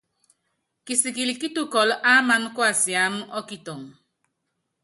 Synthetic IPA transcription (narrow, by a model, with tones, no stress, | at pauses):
ki˨si˨ki˨li˨ki˦tu˦kɔ˨lʔa˦ma˦n˦kwa˦˨si˨a˨˦m˦ʔɔ˦ki˨to˨ŋ